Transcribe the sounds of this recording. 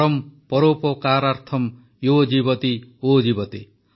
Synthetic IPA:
ɔmpɔɾopɔkaɾaɾt̪ʰɔm | jod͡ʒibɔt̪iod͡ʒibɔt̪i

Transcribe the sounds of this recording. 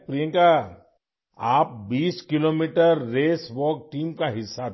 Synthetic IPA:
pɾijə̃ŋka | aːp̚biːskɪloːmiːʈəɾːeːswɔːk̚ʈiːmkaɦɪsːa

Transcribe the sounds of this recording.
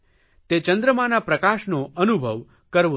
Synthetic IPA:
t̪et͡ʃə̃nd̪ɾəmãnapɾəkaʃnoʔənubʱəʋ | kəɾʋo

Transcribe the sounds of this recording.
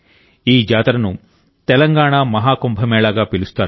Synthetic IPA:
iːd͡ʒaːt̪ɾɐnu | t̪ɛlɐŋɡaːɳamɐɦaːkombʱɐmɛːlaːɡaːpilust̪aːɾ

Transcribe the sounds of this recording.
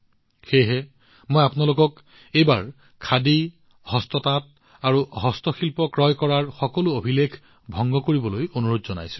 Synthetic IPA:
xejɦɛ | mojapnalokɔk | ejbaɹ | kʰːadi | hɔstɔtat̚ | aɹuɦɔstɔxilpɔkɹɔjkɔɹaɹxɔkɔlʊobʱilekʰ | bʱɔŋɡɔkoɹibɔlojonuɹodzɔna̰jsʊ̥̃

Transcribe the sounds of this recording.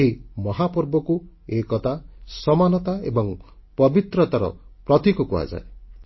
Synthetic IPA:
ɦimɔɦapɔɾbɔku | ekɔt̪asɔmanɔt̪aḛbɔŋ | pɔbit̪ɾɔt̪aɾɔ̰pɾɔt̪ikɔkua̰d͡ʒa̰e

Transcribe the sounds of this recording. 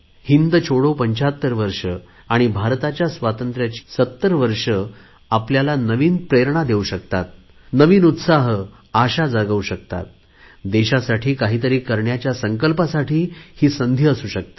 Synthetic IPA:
hind̪t͡ɕʰoɽopəɲt͡ɕat̪ːəɾʋəɾʂə | aɽ̃ibʱaɾt̪at͡ɕjasʋat̪ənt̪ɾjat͡ɕi̥ːsət̪ːəɾʋəɾʂə | apljalanəʋiːnpɾeɾɳ̃ad̪euɕək̚t̪at̪̚ | nəʋiːnut̪saɦ | aɕad͡zaɡəuɕəkt̪a̰t̪̚ | d̪eɕasaʈʰiːkaɦiːt̪əɾiːkəɾɳjat͡ɕjasəŋkəlpasaʈʰiːhiːsənd̪ʱiəsuːɕək̚t̪ḁ

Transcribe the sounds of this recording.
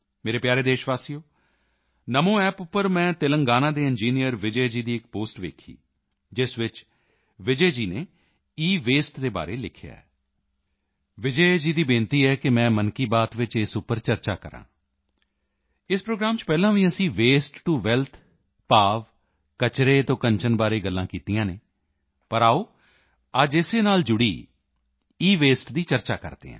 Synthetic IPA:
meːɾeːpjaːɾeːd̪eːʃʋaːsijoː | nəmõːɛːpʊpːəɾmɛ̃ːt̪ɪləŋɡaːnãːd̪eːɪnd͡ʒiːnijəɾʋɪd͡ʒəd͡ʒiːd̪iːɪk̚poːsʈʋḛːkʰḭː | d͡ʒɪsʋɪt͡ʃ | ʋɪd͡ʒeːd͡ʒiːneː | iːʋeːsʈd̪eːba̰ːɾeːlɪkʰja̰ːɛ̰ː | ʋɪd͡ʒəed͡ʒiːd̪iːbɪ̃ːnt̪iːɛːkɪmɛ̃ːmənkiːbaːt̪ʋɪt͡ʃɪsʊpːəɾt͡ʃəɾt͡ʃa̰ːkəɾã̰ː | ɪspɾoːɡɾaːmt͡ʃpɛːlãːʋĩːəsĩːʋeːsʈʈːuʋɛlt̪ʰ | paːʋ | kət͡ʃɾeːt̪õːkəɲt͡ʃənbaːɾeːɡəlːãːkiːt̪ijãːneː | pəɾaːoː | əd͡ʒɪseːnaːld͡ʒʊɽḭː | iːʋeːsʈd̪iːt͡ʃəɾt͡ʃaːkə̰ɾd̪ḛːɦɛ̰̃ː

